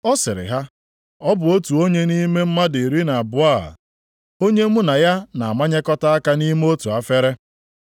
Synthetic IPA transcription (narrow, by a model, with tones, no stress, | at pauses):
ɔ˦sɪ˨ɾɪ̰˨ɦa˦ | ɔ˦bʊ˨o˦tu˨o˦ɲe˦ni˦me˦m̩˦ma˦di˨ɾi˦na˨a˨bʊ˦a̰˦˨ | o˦ɲe˦mu˦na˨ja˦na˨a˨ma˦ɲe˦kɔ˦ta˦a˦ka˦ni˦m˦o˦tu˨a˦fe˦ɾe˦